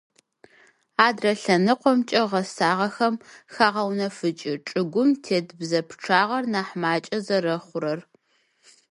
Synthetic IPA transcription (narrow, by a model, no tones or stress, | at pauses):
aːdrɐɬɐnɨqʷɔmt͡ʃʼɐʁɐsaːʁɐxɐmxaːʁɐwnɐfɨt͡ʃʼɪʈ͡ʂʼɨɡʷʊmtʰeːdbzɐpʰʈ͡ʂʰaːʁɐrnaːħmaːt͡ʃʼɐzɐɾɐχʷʊɾɐr